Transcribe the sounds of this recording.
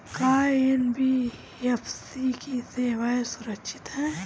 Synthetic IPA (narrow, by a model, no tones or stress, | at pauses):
kaːenbi | efsikiseːʋaːesʊɾəkʃʰɪt̪ɦɛː